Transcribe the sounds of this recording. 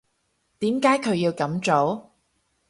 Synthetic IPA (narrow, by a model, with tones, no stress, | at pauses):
t̪iː˨˥mkaː˨˥jkʰɵ˨˧ɥjiː˧wkɐ˨˥mt͡so˨˥w